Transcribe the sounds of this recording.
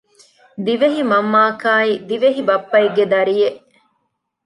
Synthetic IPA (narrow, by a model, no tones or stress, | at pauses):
d̪iʋeɦimɐmːaːkaːid̪iʋeɦibɐpːɐiɡed̪ɐɾijeʔ